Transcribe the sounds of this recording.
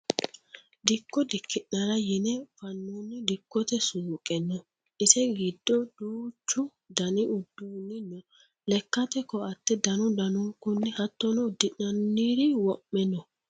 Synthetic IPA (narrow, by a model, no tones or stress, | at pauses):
d̪ɪkːɔd̪ɪkʰːɪʔnɐɾɐjɪnɛfɐnːuːnːɪd̪ɪkːɔt̪ɛsuːkʼɛnːɔ | ʔɪsɛɡɪd̪ːɔd̪uːt͡ʃːʊ | d̪ɐnɪʔʊd̪ːuːnːɪnːɔ | lɛkːɐt̪ɛkːɔɐt̪ːɛd̪ɐnʊd̪ɐnukʊnːɛhɐt̪ːɔnɔd̪ɪʔnɐnːiːd̪ɪwɔʔːɛnːɔ